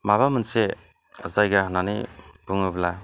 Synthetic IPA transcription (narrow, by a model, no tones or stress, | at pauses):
maβamɯnse | zajɡananḭb̥uŋɯbla